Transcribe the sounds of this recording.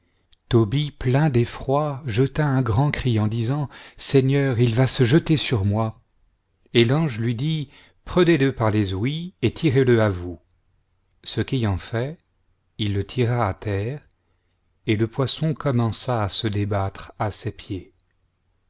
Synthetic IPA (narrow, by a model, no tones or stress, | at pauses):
t̪ɔbiplɛ̃d̪efχwaʒət̪aɛ̃ɡʁɑ̃kχiɑ̃d̪izɑ̃sɛɲœʁilvasəʒət̪esyʁmwa | elɑ̃ʒlɥid̪i | pχəneləpaʁlezwiet̪ʰiʁeləavu | səkejɑ̃fɛ | ilːət̪ʰiʁaːt̪ɛːʁ | eləpwasɔ̃kɔmɑ̃saːsəd̪ebat̪χasepje